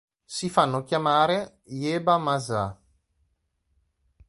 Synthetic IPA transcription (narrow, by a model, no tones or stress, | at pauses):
sifanːokʲjamaːɾe | jeːbamaza